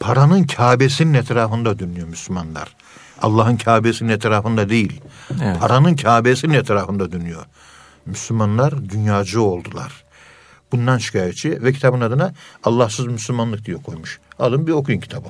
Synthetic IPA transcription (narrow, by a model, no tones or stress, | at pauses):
pʰaɾanɯncʰaːbesininɛt̪ʰɾaːfɯnd̪ad̪ønyjo̞myslʲymanlˠa̰ɾ̥ | a̰lˠːaːhɯncʰaːbesininɛt̪ʰɾaːfɯnd̪ad̪ejilʲpʰaɾanɯncʰaːbesininɛt̪ʰɾaːfɯnd̪ad̪ønyjo̞̰ | myslʲymanlˠaɾd̪ynjaːd͡ʒuo̞lˠd̪ulˠa̰ɾ̥ | bund̪anʃʰi̥kʰaːjet̪̚t͡ʃʰivɛcʰi̥t̪ʰabɯnad̪ɯnaalˠːahsɯzmyslʲymanlˠɯk̚d̪ijɛkʰo̞jmuʃad̪ɯnbiɾo̞kʰjuncʰi̥t̪ʰabɯ